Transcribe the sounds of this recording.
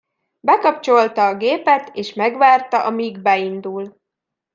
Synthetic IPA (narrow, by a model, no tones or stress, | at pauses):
bɛkɒpt͡ʃo̞lt̪ɒːɡeːpɛt̪eːʃmɛɡʋaːrt̪ɒʔɒmiɡbɛind̪ul